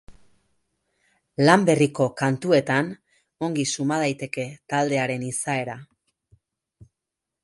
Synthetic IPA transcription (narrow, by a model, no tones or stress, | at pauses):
lambe̞riko̞kant̪ue̞t̪an | o̞ŋɡisumað̞ajt̪e̞ke̞t̪ald̪e̞aɾe̞nisae̞ɾa